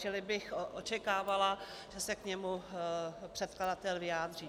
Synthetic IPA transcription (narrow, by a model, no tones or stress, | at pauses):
t͡ʃɪlɪbɪxoʔot͡ʃɛkaːvala | ʒ̥ɛsɛkɲɛmu | pr̝̥ɛt̪kladat̪ɛlvɪjaːd̪riː